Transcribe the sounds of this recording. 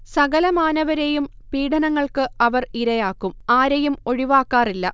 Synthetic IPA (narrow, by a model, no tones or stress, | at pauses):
sɐɡɐlɐmaːnɐʋɐɾejum | piːɽɐnɐŋːɐɭkɨɐʋɐriɾɐjaːkːumaːɾejumo̞ɻiʋaːkːaːrilːɐ